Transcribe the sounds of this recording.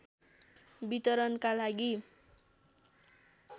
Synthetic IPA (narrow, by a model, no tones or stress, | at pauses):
bit̪ʌɾʌnkalaɡi